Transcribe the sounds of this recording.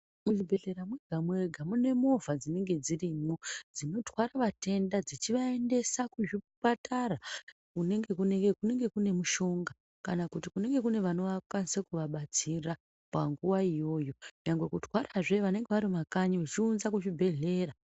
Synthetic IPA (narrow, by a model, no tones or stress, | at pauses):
muʐibʱe̞ɮe̞ɾamweɡʱamwe̞ɡʱamune̞mo̞vʱad͡zine̞ŋɡe̞d͡ziriːmod͡zino̞tʰwaɾaʋate̞ndad͡zit͡ʃiʋae̞nde̞sakuʐipatara | kune̞ŋɡe̞kuneɡekune̞ŋɡe̞kune̞muʃo̞ŋɡa | kanakutikune̞ŋɡe̞kune̞ʋano̞ʋakwanisakuʋaɓat͡sira | paŋɡuwaijo̞ːjo̞jaŋɡwekutwaraʐe̞ʋane̞ŋɡe̞ʋaɾimakaɲiʋet͡ʃiunzakuʐibʱe̞ɮe̞ːra